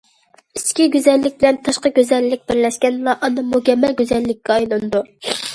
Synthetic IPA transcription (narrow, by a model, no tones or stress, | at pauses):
iskʲiɡʲyzɛlːɪk̚ʲbɪlɛnt̪ʰɑʃqɑɡʲøzɛlːɪk̚ʲb̥ɪɾlɛʃkʲɛnlˠɑʔɑnɨmukʲɛmːɛlɡʲyzɛlːɪkʲːɛɑjlˠɨnɨd̪u